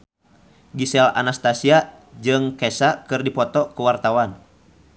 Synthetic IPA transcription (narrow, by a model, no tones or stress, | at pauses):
ɡisɛla̰nast̪asia | d͡ʒɨŋkɛsakɨrdipɔt̪ɔkuwart̪awan